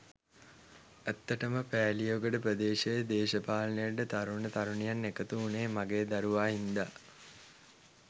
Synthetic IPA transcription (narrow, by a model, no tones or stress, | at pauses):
æt̪ːəʈəməpæːlijoːɡəɖəpɾəd̪eːʃejəd̪eːʃəpaːlənəjaɖət̪aɾuɳət̪aɾuɳijanːekət̪uːneːmaɡeːd̪aɾuʋaːɦind̪a